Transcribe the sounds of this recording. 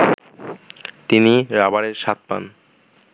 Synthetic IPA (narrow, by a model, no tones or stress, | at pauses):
t̪iniɾabaɾeɾʃat̪̚pa̰n